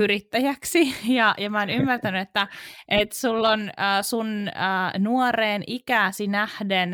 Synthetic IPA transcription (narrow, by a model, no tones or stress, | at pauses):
yɾit̪ːæjæksijɑjɑmæoːnymːært̪ænyet̪ːæʔet̪sulːonəːsunəːnuoreːnʔikæːsinæhden